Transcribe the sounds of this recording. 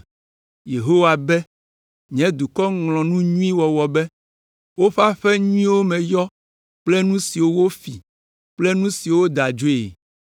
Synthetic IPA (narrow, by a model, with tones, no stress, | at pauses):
je˨ɦo˦wa˨bɛ˦ | ɲ˨ɛ̃˨˦d̪u˨kɔ˦ŋlɔ̃˨nũ˦ɲũ˦ĩ˦wɔ˨wɔ˨bɛ˦ | wo˦ɸa˦ɸɛ˦ɲũ˦ĩ˦wo˦mɛ̃˨jɔ˦ | k͡plɛ˦nũ˦si˨wo˦wo˦fi˨ | k͡plɛ˦nũ˦si˨wo˦d̪a˨d͡ʒo˦ḛ˨